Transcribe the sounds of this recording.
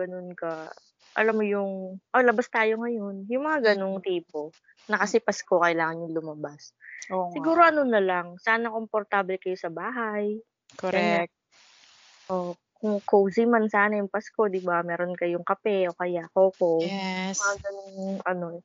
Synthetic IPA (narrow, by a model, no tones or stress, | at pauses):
ɡ̥ɐnonkɐ | ʔɐ̰lamːojʊŋʔolɐbast̪aːjo̞ŋɐjo̞njʊŋmɐŋaɡɐnoŋt̪iːpo̞ | nɐkɐsɪpɐsko̞kɐjlaːŋɐnjʊŋlʊmɐbasosɪɡuːɾo̞ʔɐno̞nɐlɐŋsaːnɐko̞mpoɾt̪ablɛkɐjo̞sɐbaːɦaj | koɛɛk̚ | ʔo | kʊŋkowsɪmansaːnɐjʊŋpɐsko̞d̪ɪbamɛːɾo̞nkɐjʊŋkɐpɛʔokɐjakoːkowjmɐŋaɡɐnoŋʔɐno̞